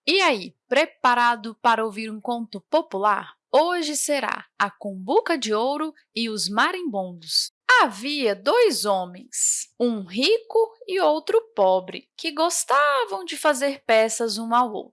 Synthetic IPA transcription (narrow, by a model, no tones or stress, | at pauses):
ɪaipɾepaɾad̪ʊpaɾɐowviɾũkõnt̪ʊpopula̰ɾ | oʒɪseɾa̰ɐkõmbukɐd͡ʒɪowɾʊ | ɪʊzmaɾẽbõnd̪ʊs | aviɐd̪ojzõmẽj̃sũɦikʊɪowt̪ɾʊpɔbɾɪ̰kɪɡost̪avɐ̃w̃d͡ʒɪfazeɾpɛsɐzũawo̰wt̪ɾʊ